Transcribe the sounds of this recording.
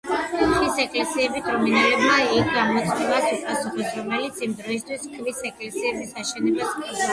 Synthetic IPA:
χisɛkʼlɛsiɛbik̪ʼɾɔminalɛbmaikɡamɔt̪sʼmivasupʼasuχɔsɾɔmɛlit̪sʰimd̪ɾɔis̬t̪ʰwiskʰʼvisɛkʼlɛsiɛbisaʃɛnɛbaskʰʼɔ

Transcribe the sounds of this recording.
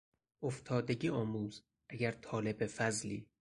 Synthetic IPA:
ʔoft̪ʰɒːd̪eɟʲiːɒːmuːz | ʔæɟæɾt̪ʰɒːle̞befæzliː

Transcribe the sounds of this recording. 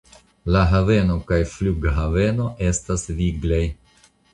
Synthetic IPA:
laɦave̞no̞kajfluɡɦave̞no̞ʔe̞stasviɡlej

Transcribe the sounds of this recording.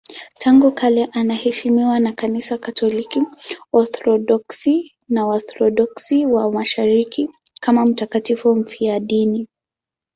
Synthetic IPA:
tʰaŋɡukʰalɛʔanahɛʃimiwanakanisakatʰɔlikiɔθɾɔɗɔksi | naɔθɾɔɗɔksiwamaʃaɾiki | kamam̩takatifum̩fiaɗini

